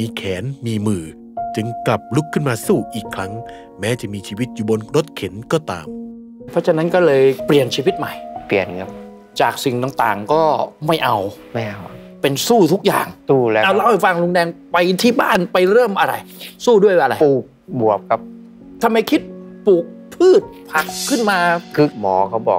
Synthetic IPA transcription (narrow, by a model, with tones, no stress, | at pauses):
miː˧kʰɛː˩˦nmiː˧mɯː˨˩ | t͡ɕɯ˧ŋkla˨˩p̚lu˦˥kʰːɯ˥˩nmaː˧suː˥˩ʔiː˨˩kʰɾa˦˥ŋ | mɛː˦˥t͡ɕa˨˩miː˧t͡ɕʰiː˧wi˦˥t̪̚juː˨˩bo˧nɾo˦˥t̪̚kʰe˩˦nkɔː˥˩t̪a̰ː˧m | pʰɔ˦˥t͡ɕʰa˧˨nːa˦˥nkɔː˥˩lɤː˧jpli˨˩ənt͡ɕʰiː˧wi˦˥t̪̚ma˨˩jpli˨˩ənkʰa˦˥p̚ | t͡ɕaː˨˩k̚si˨˩ŋt̪a˨˩ŋt̪a̰ː˨˩ŋkɔː˥˩ma˥˩jʔa˧wma˥˩jʔa˧˩w | pe˧nsuː˥˩t̪ʰu˦˥k̚ja̰ː˨˩ŋsuː˥˩lɛ˦˥ʔa˧wla˦˥˩fa˧ŋlu˧ŋdɛː˧ŋpa˧jt̪ʰiː˥˩ba̰ː˥˩npa˧jɾɤː˥˩mʔa˧ɾa̰˧jsuː˥˩du˥˩əjʔa˧ɾa˧jpuː˨˩k̚bu˨˩əp̚kʰa˦˥p̚ | t̪ʰa˧mːa˧jkʰi˦˥t̪̚puː˨˩k̚pʰɯː˥˩t̪̚pʰa˨˩kʰːɯ˥˩nmaː˧kʰɯ˦˥k̚mɔː˨˦kʰa˦˥˩wbɔ̰ː˨˩